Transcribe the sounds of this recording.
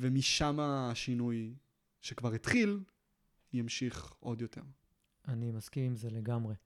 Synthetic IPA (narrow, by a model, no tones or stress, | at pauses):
vemiʃamaʃinuj | ʃekvaʁit̪χil | jamʃiχʔo̞d̪jo̞tʰe̞̰ʁ | animaskimimzeleɡamʁe